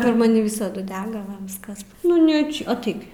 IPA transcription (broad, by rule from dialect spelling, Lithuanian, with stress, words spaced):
pʲɛr mɐˈnʲɪ ˈʋʲɪsɐdʊ ˈdʲæːɡɐ ˈʋɐ ˈʋʲɪskɐs ˈnʊ nʲɛ ˈt͡ʃʲɛ ɐˈtɐɪk ɡʲɪ